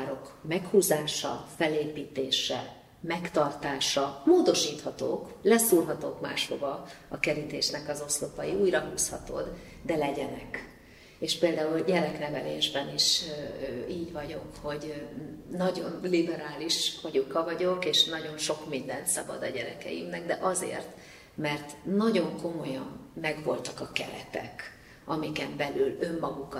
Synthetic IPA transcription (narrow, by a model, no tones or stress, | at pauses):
aɾo̞kmɛkhuːzaːʃɒ̰fɛleːpiːt̪eːʃɛ̰ | mɛkt̪ɒrt̪aːʃɒmoːd̪o̞ʃiːt̪hɒt̪o̰ːklɛsuːrɦɒt̪oːkma̰ːʃho̰bɒɒkɛɾit̪eːʃnɛkɒzo̞slopɒjiuːjrɒɦuːshɒ̰t̪o̰d̪ | d̪ɛlɛɟɛnɛk | eːʃpeːld̪aːulɟɛɾɛknɛvɛlḛːʒbɛniʃ | iːɟvɒɟo̞kho̞ɟ | nɒɟo̞nlibɛɾaːliʃfɒɟokɒvɒɟo̞keːʃnɒɟo̞nʃo̞kmind̪ɛnt̪sɒbɒ̰d̪ɒɟɛɾɛkɛ̰jḭmnɛɡ̚d̪ɛʔɒzḛːrt̪ | mɛrt̪nɒɟo̞ŋko̞mo̞jɒmːɛɡvo̞lt̪ɒ̥kɒkɛ̰lɛ̰t̪ɛ̰k | ɒmikɛmbɛlylø̞mːɒɡuk